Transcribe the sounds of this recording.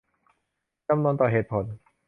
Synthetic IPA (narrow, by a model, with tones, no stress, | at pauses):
t͡ɕa˧˨mnuː˧nt̪ɔː˨˩ɦeː˨˩t̪̚pʰo˩˦n